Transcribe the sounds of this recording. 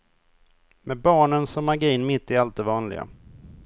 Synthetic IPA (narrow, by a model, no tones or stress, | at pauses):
mɛbɑːɳənsɔmːaɡiːnmɪt̪ːɪalt̪̚d̪ɛvɑːnlɪ̰ɡa̰